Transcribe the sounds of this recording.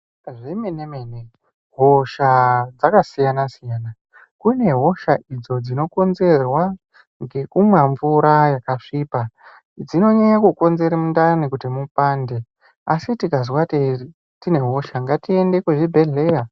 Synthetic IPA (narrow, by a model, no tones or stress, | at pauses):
ʐemenemene | ɦoʃad͡zakasijanasijaːna | kune̞ɦo̞ʃaʔid͡zo̞d͡zino̞ko̞nze̞rwa | ŋɡe̞kumwaɱvuɾajakaʂiːpa | d͡zino̞ɲaɲakuko̞nze̞ɾemundaanikutimupaːnde̞ | asitikaz̬wateri | tine̞ɦo̞ʃaŋɡatie̞nde̞kweʐibʱe̞ɮe̞ra